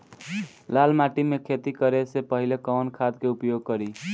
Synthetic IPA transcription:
lalmaʈimekʰet̪ikəɾesepəɦilekɔwnkʰad̪keupjoɡ̚kəɾi

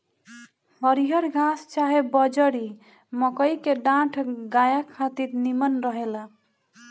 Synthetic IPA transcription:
ɦʌɾiɦʌɾɡãst͡ʃaɦebʌd͡ʒəɾi | mʌkʌjkeɖãʈʰɡajakʰat̪iɾnimənɾʌɦela

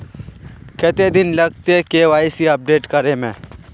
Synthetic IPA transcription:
kɛːt̪ed̪ɪnlɐɡ̚t̪ekeːʋaːisiɐp̚ɖeːʈkɐɾemẽː

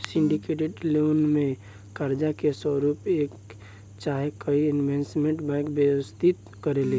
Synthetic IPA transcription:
sɪ̃ɳɖikeʈeɖlonmẽ | kaɾd͡ʒakesəɾuːpeːk | t͡ʃaːɦekəiɪnʋẽnsmẽɳʈbãɪkbjəwəst̪ʰit̪ | kəɾele

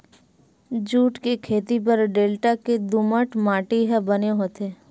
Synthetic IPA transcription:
d͡ʒuːʈkekʰeːt̪ip̬əɾɖeːlʈaked̪uməʈmaːʈiɦɛbəneɦot̪eː

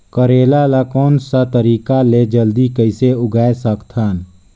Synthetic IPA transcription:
kəɾeːlalakɔːnsat̪əɾiːkaled͡ʒəld̪ikəɪseʊɡaːesəkt̪ʰɦan

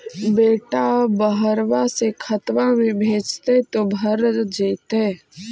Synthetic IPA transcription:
beːʈabəɦəɾʋasekʰət̪ʋãmẽbʱeːd͡ʒt̪et̪obʱəɾd͡ʒeːt̪eː

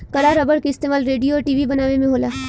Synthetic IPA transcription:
kɐɽaɾɐbəɽkeɪst̪eːmaːlɾeːɖijoɔɾʈiːʋibɐnaːʋemẽɦoːlaː

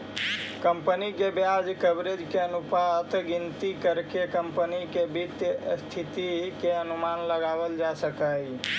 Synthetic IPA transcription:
kəmpənikebjad͡ʒkəbɾed͡ʒkeənupat̪ɡint̪ikəɾkekəmpənikebit̪jst̪ʰit̪ikeənumanləɡabəld͡ʒasəkəj

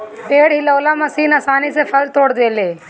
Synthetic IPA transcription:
peːɽɦiləʊlaːmãsiːnɐsaːnisepʰɐlt̪oːɽd̪eːleː

